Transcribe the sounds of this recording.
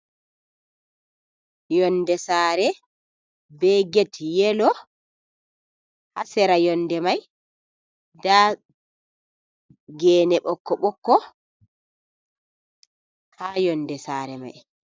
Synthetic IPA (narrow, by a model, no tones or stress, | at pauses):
jɔnːdɛsaːɾɛ | bɛɡetjɛlɔ | hasɛɾajɔnːdɛmaj | da | ɡɛːnɛɓɔkːɔɓɔkːɔ | haːjɔndɛsaːɾɛma̰j